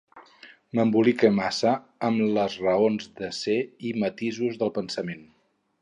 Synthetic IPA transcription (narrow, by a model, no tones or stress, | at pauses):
məmbulikemasə | əmləzrəonzðəseimət̪izuzðəlˠpənsəmen